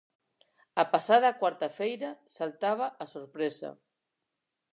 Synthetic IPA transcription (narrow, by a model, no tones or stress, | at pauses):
apasað̞akwaɾt̪afejɾasalt̪aβ̞aʔasoɾpɾesa̰